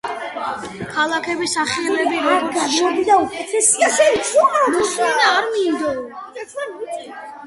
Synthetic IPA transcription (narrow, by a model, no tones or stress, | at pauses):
kʰalˠakʰɛbisaχiɛbɛbivɛɛb̪id̪aukʼɛt̪ʰɛsiaʃɛmusminaːɾmind̪ɔ